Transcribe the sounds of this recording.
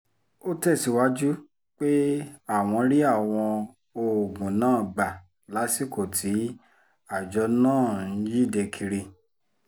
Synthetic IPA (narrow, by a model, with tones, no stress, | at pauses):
o˦tɛ˦˨si˨˦wa˦d͡ʒu˦ | k͡pe˦a˦˨w̃ɔ̃˧ɾi˦a˦˨w̃ɔ̃˧ | o˧˨ɡũ˨nãː˦˨ɡ͡ba˨ | la˨˦si˦˨ko˨tʰi˨˦ | a˨d͡ʒɔ˨˧˦nãː˦˨n̩˨˦ji˦˨de˧kʰi˧ɾi˧